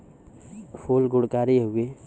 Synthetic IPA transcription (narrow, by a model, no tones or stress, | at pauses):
fʰoːlɡʊɽkaːɾeɦʊe